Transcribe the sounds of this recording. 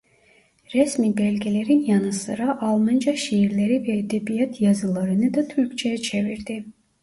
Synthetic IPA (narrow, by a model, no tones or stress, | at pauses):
ɾɛsmibɛlʲɡʲiɛleɾinjɑnɯsɯ̰ɾɑʔɑlˠmɑnd͡ʒɑʃiiɾlɛɾivɛːd̪ɛbijɑt̪ʰjɑzɯlˠɑɾɯnɯd̪ɑt̪ʰyɾkt͡ʃʰɛjɛt͡ʃʰɛviɾd̪i